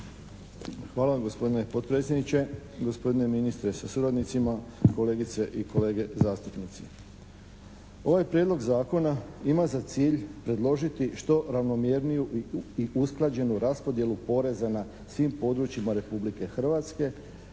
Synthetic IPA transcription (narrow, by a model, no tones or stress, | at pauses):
xʋaːlaʋamɡo̞spo̞d̪ine̞po̞t̪̚pɾe̞t̪sjed̪nit͡ɕe̞ɡo̞spo̞d̪ine̞minist̪ɾe̞sasuɾad̪nit̪simako̞le̞ːɡit̪se̞ʔikʰo̞le̞ːɡe̞zaːst̪upnit̪si | o̞ʋajpɾjed̪lo̞ɡzaːko̞naimazat̪siːʎpɾe̞d̪lˠo̞ʒit̪iʃt̪o̞ɾaʋno̞mjeɾnijuiʔusklˠad͡ʑe̞nuɾaspo̞d̪je̞lupo̞ɾe̞zana | sʋimpo̞d̪ɾut͡ʃimaɾe̞publike̞xr̩ʋat̪ske̞